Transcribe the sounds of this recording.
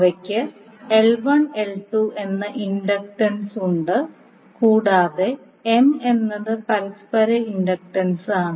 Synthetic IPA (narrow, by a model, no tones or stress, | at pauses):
ʋɐkʲːɨ | elʋɐɳelʈuʔe̞nːɐʔinɖɐk̚ʈɐnsuɳɖɨ | kuːɽaːðe | eme̞nːɐðɨpɐɾispɐɾɐinɖɐk̚ʈɐnsaːɳɨ